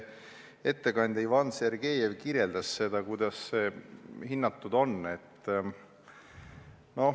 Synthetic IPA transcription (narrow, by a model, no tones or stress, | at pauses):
e̞t̪ːe̞kɑnʲd̪̥ʲɑivɑnse̞rɡe̞ːjevkirje̞ld̪̥ɑsse̞d̪ɑkujd̪̥ɑsse̞hinːɑt̪ːud̪o̞nːe̞t̪ːˑ | no̞